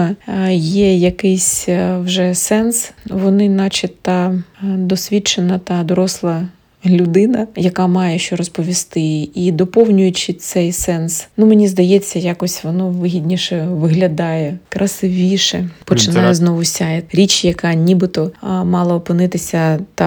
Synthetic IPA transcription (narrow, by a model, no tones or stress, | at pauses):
jɛjɐkɪsʲwʒɛsɛnsʋɔnɪnɑt͡ʃɪt̪ɑd̪ɔsʲʋʲit͡ʃenɐt̪ɑd̪ɔɾɔslˠɐ | lʲʊd̪ɪnɐjɐkɑmɑjɛʃt͡ʃɔɾɔspɔʋʲist̪ɪid̪ɔpɔwnʲʊjʊt͡ʃɪt̪sɛjsɛnsnumenʲizd̪ɐjɛt͡sʲːɐjɑkɔsʲʋɔnɔʋɪɦʲidʲnʲiʃɛʋɪɦlʲɐd̪ɑjɛkɾɐsɪʋʲiʃɛpɔt͡ʃɪnɑjʊznɔʋʊsʲaɛɾʲit͡ʃjɐkɑnʲibɪt̪ɔmɑlˠɐːpɪnɪt̪ɪsʲɐt̪ɑ